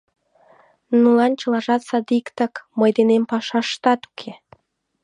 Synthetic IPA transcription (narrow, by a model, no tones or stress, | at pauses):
nulɑnt͡ɕɤ̆lɑʒɑt̪sɑd̪ikt̪ə̆kmɤjd̪enempɑʃɑʃt̪ɑt̪u̥kʰe